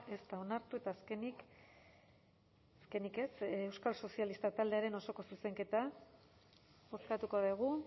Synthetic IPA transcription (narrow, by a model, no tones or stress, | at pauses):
e̞st̪ao̞naɾt̪ue̞t̪askeni | ske̞nike̞sewskalso̞sialist̪at̪ald̪eaɾe̞no̞so̞ko̞suse̞ŋke̞t̪a | oskat̪uko̞ðeɣ̞u